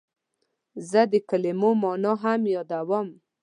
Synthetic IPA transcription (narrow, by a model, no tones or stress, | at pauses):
zəd̪ekalemomɔnɔɦamjɔd̪awɔm